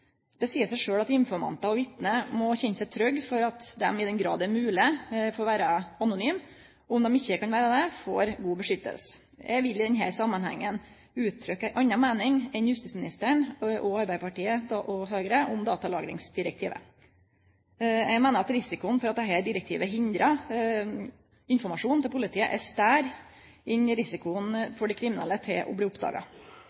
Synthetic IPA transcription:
d̪̥ɛsiːəsæɪʂøːɽɑt̪ɪnfɔɾmɑ̰nt̪ɑɔʋɪt̪nəmɔçɛnːəsæɪt̪ʰɾœɡːfɔɾɑt̪d̪ɛ̰mɪd̪ɛnɡɾɑ̰ːd̪ɛmʉːlɪfɔɾɔʋæːɾəɑnʊnyːm | ɔmd̪ɛmɪçːəkʰɑnʋæːɾəd̪ɛfo̰ːɾɡuːbəʂʏt̪ːə̰lsə̥ | jɛ̰ɡʋɪlːɪd̪ɛnɦæ̰ːɾsɑmːɑnhæ̰ŋːən | ʉːt̪ʰːɾʏkːæʔɑɲːɑmeːnɪŋɛnjʉst̪iːsmɪnɪst̪əɳʔɔɑɾbæɪpʰɑʈiːəd̪ɑʔɔɦøːɡɾəʔɔmd̪ɑːt̪ɑlɑːɡɾɪ̰ŋsd̪ɪɾɛk̚t̪ʰiːʋə̰ | jɛɡmæːnəɾɑt̪ɾɪsɪkʊnfɔɾɑt̪̚d̪ɛɦæːɾɖ̪ɪɾɛk̚t̪ʰḭːʋəɦɪnd̪ɾɑ | ɪnfɔɾmɑʂuːnt̪ʰɪlpʰʊlɪt̪ʰiːə̰ʔɛst̪æːɾ | ɪnɾɪsɪkʊnfɔɖɛkʰɾɪmɪnɛ̰lːət̪ʰɪlʔɔ̰bliːʊpd̪ɑ̰ːɡɑ̰

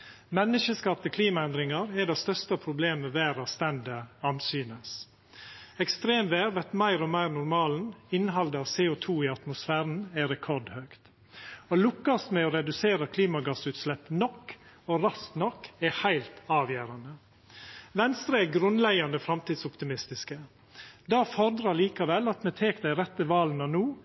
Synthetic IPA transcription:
mɛnːəʃəskɑːpt̪əkʰliːmɑɛnd̪ɾɪŋɑɾɛd̪ɛst̪œst̪əpʰɾʊbleːməʋæːɾɑst̪ɛnd̪əɑnsyːnəs | ɛkst̪ɾeːmʋeːɾʋɛt̪mæɪɾɔmæɪɾnʊɾmɑːln̩ɪnɦɑld̪əɑːʋseːʊt̪ʰuːɪɑt̪mʊsfæːɾn̩ɛɾɛkʰɔɖhøːkt̪ | olʊkːɑsmɛoɾɛd̪ʉseːɾəkʰliːmɑɡɑsʉːt̪slɛpːnɔkː | oɾɑsknɔkːɛhæɪlt̪ɑːʋjæːɾɑnə | ʋɛnst̪ɾəɛɡɾʉnlɛɡɑnəfɾɑmt̪iːd̪sɔpt̪ɪmɪst̪ɪskə | d̪ɑːfɔɾd̪ɾɑɭiːkɑʋɛlːɑt̪mɛːt̪ʰeːkd̪æɪɾɛt̪ːəʋɑːlnɑnuː

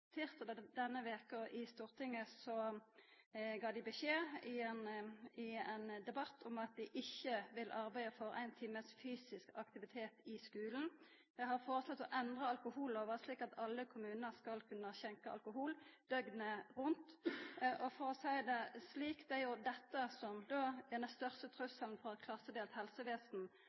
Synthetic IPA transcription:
t̪ʰɪʁt̪d̪d̪ɛnːəʋeːkʊɪst̪uːʁt̪ʰɪŋːəsɔ | ɡɑːd̪ɪbəɕeːɪnɪɛnd̪ɛbɑt̪ʰːʊmɑt̪̚d̪ɪʔɪçːəʋɪlʔɑɾbæɪəfɔɾæ̰ɪnt̪ʰiːməsfyːsɪskɑkt̪ɪʋɪt̪ʰeːt̪ɪskʉːln̩ | d̪̥ɛɦɑɾfoːʁəslɔt̪ːɔʔɛnd̪ʁəɑlkʊhuːloːʋəʁsliːkɑt̪ʰɑlːəkʰʊmʉːnnəɾskɑlkʰʉnːəçɛŋkəʔɑ̰lkʊɦuːld̪̥œɡnəʁʉnt̪ʔɔfɔɾɔsæɪd̪ɛsliːkt̪æɾjʊd̪ɛt̪ːəsɔmd̪oːd̪ɛnɛst̪œʁst̪ət̪ʰɾʉsəln̩fɔʁɑt̪kʰlɑsːəd̪eːlt̪hɛlsəʋeːsn̩

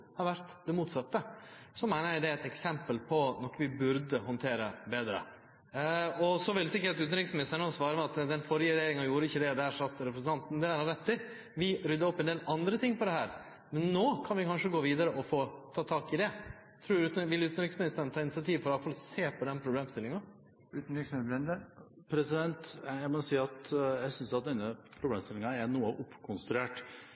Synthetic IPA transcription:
hɑɾʋæɾt̪d̪ɛmuːt̪sɑt̪ːəsɔmːæɪnəɾæɪd̪ɛæɛt̪ɛksɛmpəlpʰɔnɔkːʋɪbʉɾd̪əhɔnt̪ʰeːɾəbeːd̪ɾə̰ | ɔsɔʋɪlɛsɪkːəɾɑt̪ʉːt̪n̩ɾɪksmɪnɪst̪əɳəɔsʋɑːɾəmɛɑt̪d̪ɛnfɔɾɪjəɾɛjeːɾɪŋɑjuːɾəɪçːəd̪ɛd̪æːʂɑt̪ːɾɛpɾəsn̩t̪ɑnt̪n̩d̪ɛæɾhɑɾɛt̪ːɪ | ʋɪɾʏd̪ːəɔpːɛnd̪eːlɑnd̪ɾət̪ʰɪŋːpʰɔd̪ɛhæːɾ | mɛnːoːkʰɑnʋɪkɑnʂəɡoːʋiːd̪əɾəʔɔfoːt̪ʰɑːt̪ʰɑːkɪd̪ɛ | t̪ʰɾuːɾʉːt̪nʋɪlʉːt̪nʋɪksmɪnɪst̪ɾəɳnt̪ʰɑːɪnɪsɪɑt̪ʰiːʋfɔɾɑlfɑlɔseːpʰɔd̪ɛnːpʰɾʊbleːmst̪ɪlːɪŋɑ | ʉːt̪n̩iksɛnd̪ə | pʰɾɛsɪd̪ɛnt̪æɪmɔsiːɑt̪jæsʏnsɑt̪̚d̪ɛnːəpʰɾʊbleːmst̪ɪlɪŋɑɛnuːəʔʊpːkʰʊnst̪ɾʉeːʈ

